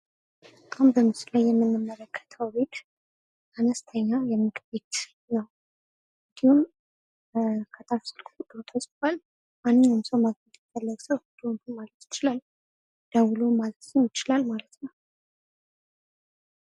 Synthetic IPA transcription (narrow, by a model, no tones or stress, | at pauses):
əkʼambəmɨsɨlajːɛmːɨnːɨmːələkʰːə̥t̪ʰəwbet̪ | anəst̪ʰəɲːajɛmːɨɡbet̪ | nəw | ɨnd̪ihum | kʰət̪ʼafsɨlkʼud̪ot̪ʰasʼt̪ʰwal | manːɨɲːɨmsəwmaɡəd̪fəlːəɡsəwhd̪̥unt̪unmalət̪jɪ̥t͡ʃɪlalː | d̪̥awulomalət̪sɨnjɪt͡ʃɪlalmalət̪nəw